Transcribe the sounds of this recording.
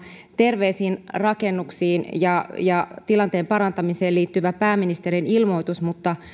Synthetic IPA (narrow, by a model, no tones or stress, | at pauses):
t̪e̞rʋeːsiːnrɑkenːuksiːnjɑjɑt̪ilɑnt̪eːmpɑɾɑnt̪ɑmiseːliːt̪ːyʋæpæːminist̪eɾinilmo̞it̪usmut̪ːɑ